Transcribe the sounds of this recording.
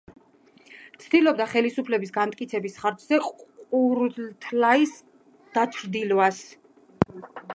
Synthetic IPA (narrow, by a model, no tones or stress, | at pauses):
t̪sʰd̪ilɔb̚d̪aχɛlisupʰlɛbisɡant̪ʼkʼit̪sʰɛbisχaɾd͡ʒz̥ɛqʼuɾt̪ʰlais | d̪̥at͡ʃʰɾd̪ilvas